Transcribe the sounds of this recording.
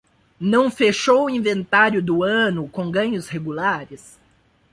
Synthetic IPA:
nɐ̃w̃feʃowʊĩvẽnt̪aɾjʊd̪ʊɐ̃nʊkõɡɐ̃ɲʊsheɡulaɾɪs

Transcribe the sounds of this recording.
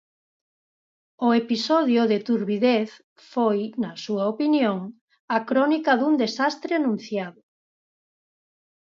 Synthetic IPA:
ʊepisɔðjʊðet̪uɾβiðeθ | fojnɐsuɐopinjoŋ | ɐkɾɔnikɐðund̪esast̪ɾeanũn̟θjaðʊ

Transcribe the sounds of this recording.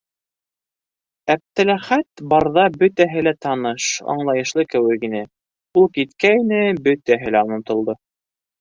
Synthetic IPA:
æp̚t̪ælæχæt̪bɑɾðɑbɵ̆t̪æɦɘlæt̪ɑnɤʃɑ̰ɴlˠɑjɤ̆ʃlˠɤkɘ̆wɘ̆kinɘ | ulˠkit̪kæjinɘbɵt̪æɦɘlæonɤ̆t̪ŏlˠd̪ɤ

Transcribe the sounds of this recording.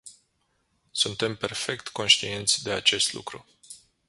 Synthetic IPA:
sunt̪e̞mpe̞rfe̞kt̪ko̞nʃt̪ie̞nt̪sʲd̪e̞at͡ʃe̞st̪lṵkɾu

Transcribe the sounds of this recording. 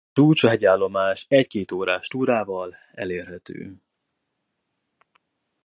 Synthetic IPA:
uːt͡ʃɒɦɛɟaːlːo̞maːʃɛckeːt̪oːɾaːʃt̪uːɾaːvɒl | ɛ̰leːrɦɛt̪ø̰ː

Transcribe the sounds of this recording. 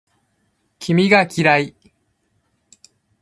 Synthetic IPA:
kʲʰimʲiɡakʲiɾai

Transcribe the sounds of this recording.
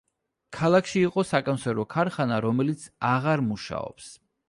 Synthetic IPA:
kʰalˠakʰʃiːqʼɔsakʼɔnsɛɾɔkʰaɾχanaɾɔmɛlit̪sʰaʁaɾmuʃa̰ɔ̰ps

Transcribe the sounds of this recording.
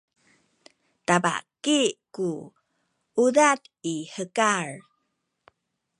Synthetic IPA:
taba̰kiku | udatihəkaɹ

